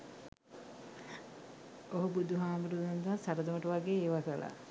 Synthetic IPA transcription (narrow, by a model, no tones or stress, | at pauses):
oɦubud̪uɦaːmuɾud̪und̪asaɾəd̪əməʈəʋaɡeːʋakəla̰